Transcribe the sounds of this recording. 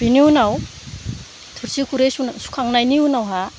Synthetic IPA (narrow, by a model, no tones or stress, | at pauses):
b̥iniunaw | tʰuɾsikʰuɾesunsu̥kʰaŋnajniunawɦa